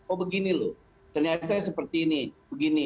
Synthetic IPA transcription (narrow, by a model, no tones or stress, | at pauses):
obəɡinilo | t̪ərɲat̪̬asəpərt̪iːnibəɡini